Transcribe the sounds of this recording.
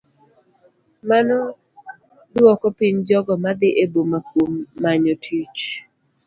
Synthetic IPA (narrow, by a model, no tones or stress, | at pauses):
manɔ | dwɔkɔpiɲd͡ʒɔɡɔmad̪ɪʔebomakomːaɲotʰit͡ʃ